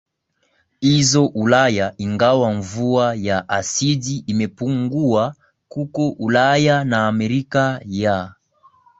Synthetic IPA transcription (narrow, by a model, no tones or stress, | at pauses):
hizɔʔulajaiŋɡawaɱvuajaʔasidiʔːmɛpuŋɡua | kukɔʔulajanaːmɛɾikaja